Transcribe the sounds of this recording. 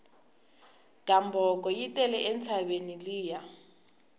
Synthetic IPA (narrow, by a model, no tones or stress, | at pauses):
kʼambɔkʼɔjitʼɛlɛʔent͡sʰabeniliːja